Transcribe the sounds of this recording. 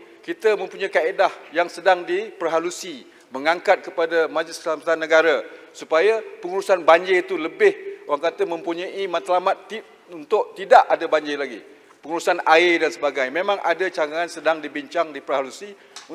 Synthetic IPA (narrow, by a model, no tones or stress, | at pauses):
kit̪amə̃mpuɲajkaedahjaŋsədaŋdipərɦalusi | məŋaŋkat̪̚kəpadamad͡ʒlɪslamat̪anːəɡaɾasupajapəŋuɾusanbaɲd͡ʒet̪uləbɪhoaŋkat̪amə̃mpuɲãʔimat̪lamat̪ːip̚ | unt̪ʊʔt̪idaʔadabaɲd͡ʒɪlaɡi | pəŋuɾusanaɪdansəbaɡajmẽmãŋʔa̰dat͡ʃaŋaansədaŋdibiɲt͡ʃaŋdipərɦalusi